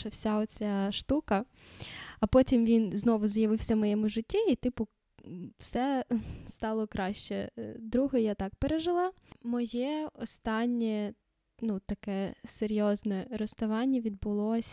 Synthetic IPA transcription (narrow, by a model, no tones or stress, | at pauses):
ʃɐwsʲaɔt͡sʲaʃt̪ukɐ | ɐpɔtʲimʋʲinznɔʋʊzjɐʋɪwsʲɐmɔjɛmʊʒɪtʲːiit̪ɪpʊ | wsɛst̪ɑlˠɔkɾɑʃt͡ʃɛd̪ɾuɦɔjat̪ɑkpeɾeʒɪlˠɑ | mɔjɛɔst̪ɑnʲːɛ | nut̪ɐkɛseɾʲjɔznɛɾɔst̪ɐʋɑnʲːɐʋʲid̪̚bʊlˠɔsʲ